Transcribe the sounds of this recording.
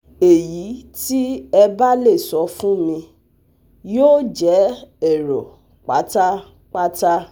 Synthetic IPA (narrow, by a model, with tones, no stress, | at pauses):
e˨ji˨˦ti˦ɛ˧ba˦le˦˨sɔ˨˧fũ˦mĩ˧ | joː˦d͡ʒɛ˨˦ɛ˨ɾɔ˨ | k͡pa˨˦ta˦ | k͡pa˦ta˦